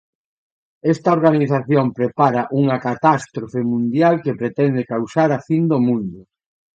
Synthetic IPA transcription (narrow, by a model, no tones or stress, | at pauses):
ɛst̪ɐoɾɣaniθaθjompɾepaɾɐʔuŋɐkat̪ast̪ɾofemũnd̪jalkepɾet̪ɛnd̪ekawsaɾafind̪omũnd̪ʊ